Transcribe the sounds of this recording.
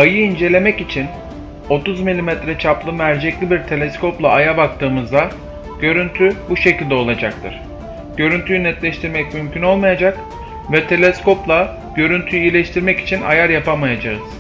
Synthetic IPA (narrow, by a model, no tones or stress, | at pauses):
ajɯind͡ʒe̞lʲe̞mɛcit͡ʃʰin | o̞t̪uzmilʲimɛt̪ɾɛt͡ʃʰaplˠɯmæɾd͡ʒɛclʲibiɾt̪ʰe̞lʲɛskʰo̞plˠaːjabak̚t̪ʰɯːmɯzd̪a | ɟ̥ø̞ɾynt̪ʰybuʃe̞cilʲd̪ɛo̞lˠad͡ʒak̚t̪ʰɯ̰ɾ̥ | ɟ̥ø̞ɾynt̪ʰyjynɛt̪lʲɛʃt̪ʰiɾmɛcmymcʰyno̞lˠmajad͡ʒak | vɛt̪ʰe̞lʲɛsko̞plˠa | ɟ̥ø̞ɾynt̪ʰyjyilʲɛʃt̪ʰiɾmɛci̥t͡ʃʰina̰jaɾjapamajad͡ʒaɯz̥